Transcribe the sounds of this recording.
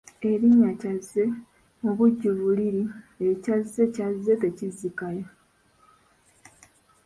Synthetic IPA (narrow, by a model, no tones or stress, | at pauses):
eɾiɲːacazːe̞ | oβuɟːuβuliɾiecazːe̞cazːe̞tecizikajo